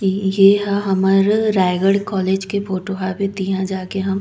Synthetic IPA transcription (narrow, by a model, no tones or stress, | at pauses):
jeɦaɦɐməɾɾaːɪɡəɽkɔːleːd͡ʒkefʰoːʈoɦabet̪iːɦãd͡ʒaːkeɦɐm